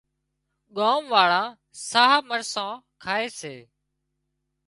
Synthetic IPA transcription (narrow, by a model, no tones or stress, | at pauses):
ɠaːmʋaːɭãː | saːɦaːməɾsãːkʰaːeːseː